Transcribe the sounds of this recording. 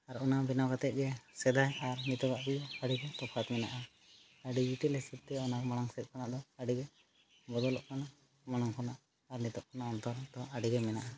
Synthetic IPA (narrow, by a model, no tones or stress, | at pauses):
aɾɔnabɛnawkat̪ɛt̪̚d͡ʒɛsɛd̪ajaɾnit̪ɔɡaʔbid͡ʒɔaɖiɡɛt̪ɔpʰat̪mɛna̰ʔa | aɖid͡ʒiʈ̪ilɛsit̪̚ːɛɔnaɾmaɽaŋsɛt̪̚kʰɔnaʔd̪ɔaɖiɡɛ | bɔd̪ɔlɔʔkʰanaʔ | maɽ̃aŋkʰɔnaʔ | aɾnit̪ɔʔ̚kʰɔnaɔnt̪ɔɾd̪ɔaɖiɡɛmɛnaʔa